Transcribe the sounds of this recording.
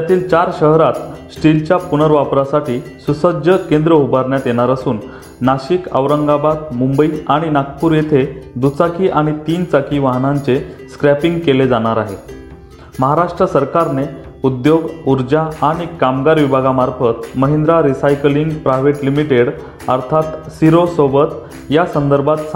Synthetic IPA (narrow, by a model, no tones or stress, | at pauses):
jat̪iːlt͡ɕaɾɕəɦɾat̪sʈilt͡ɕjapunəɾʋapɾasaʈiːsusəd͡ʑəkend̪ɾəɦubaɾɳjat̪jeɽ̃aɾəsuːnː | aɕikə̰ʋɾəŋɡabad̪mumbəiaɽ̃inak̚puːɾjet̪ʰed̪ut͡sakiːʔaɽ̃it̪iːnt͡sakiːʋaɦnaɲt͡seskɾæpiŋɡkeled͡zaɽ̃aɾaɦe | məɦaɾaʂʈɾəsəɾkaɾne | ud̪joɡuɾd͡ʑaaɽ̃ikamɡaɾʋibʱaɡamaɾfət̪məɦend̪ɾaɾisajkliŋɡpɾajʋeʈlimiʈeɽ | əɾt̪ʰat̪siɾosobət̪ | jasənd̪əɾbʱat̪s